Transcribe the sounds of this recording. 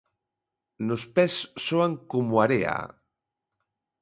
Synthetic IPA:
nospɛsːoaŋkomoaɾea̰

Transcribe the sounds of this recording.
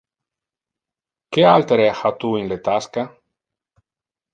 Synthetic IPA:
kealt̪eɾehat̪uinlet̪aska

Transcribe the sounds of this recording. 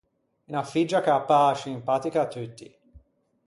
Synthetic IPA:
unafid͡ʒːakapːasiimpaːt̪ikaːt̪ːut̪ːḭ

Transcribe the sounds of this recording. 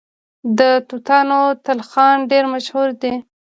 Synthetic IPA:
d̪ət̪ut̪ɑnot̪alxɑnɖeɾmaʃhuɾd̪e

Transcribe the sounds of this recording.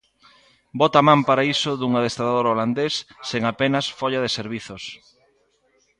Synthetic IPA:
bɔt̪amãmpaɾaisoðuŋaðest̪aðaðoɾoland̪esːeŋapenɐsfɔʎaðeseɾβiθos

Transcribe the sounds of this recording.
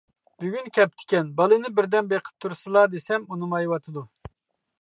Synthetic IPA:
byɡʲynkʲʰɛp̚t̪ʰɪ̥kʲɛnbɑlˠɨnɨbɪɾd̪ɛnbeqʰə̥p̚t̪ʰuɾsɨlˠɑd̪esɛmunɨmɑjwɑt̪ʰɨd̪u

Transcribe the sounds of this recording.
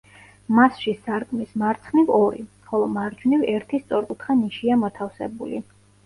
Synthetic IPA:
masʃisaɾkʼmismaɾt̪sʰχnivɔɾḭ | χɔlˠɔmaɾd͡ʒnivɛɾt̪ʰist̪sʼɔɾkʼut̪ʰχaniʃiamɔt̪ʰafsɛ̰bulḭ

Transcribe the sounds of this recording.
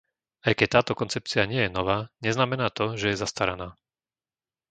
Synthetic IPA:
ajkɛct̪aːt̪ɔkɔnt͡sɛp̚t͡siaɲɪɛjɛnɔʋaːɲɛznamɛnaːt̪ɔʒɛjɛzast̪aɾanaː

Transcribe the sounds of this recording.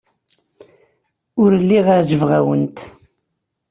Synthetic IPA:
ʊɾlːiʁaɾʒəvʁæwənt̪

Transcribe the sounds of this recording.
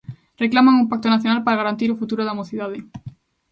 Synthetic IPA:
reklamaŋumpak̚t̪onaθjonalpaɾaɣ̞aɾant̪iɾofut̪uɾoðamoθiðaðɪ

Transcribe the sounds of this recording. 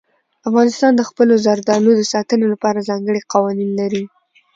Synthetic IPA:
afɣɑnɪst̪ɑnd̪əxpəlozaɾd̪ɑnod̪əsɑt̪ənolapɑɾazɑŋɡəɽiqɑwɑninlaɾi

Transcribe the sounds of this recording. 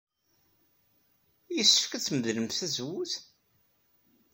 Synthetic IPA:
jəsːə̥fkæt͡sːməðləmθæzwuθ

